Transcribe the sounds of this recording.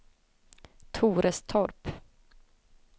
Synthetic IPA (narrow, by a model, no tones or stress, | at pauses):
t̪ʰuːɾəst̪ʰɔɾp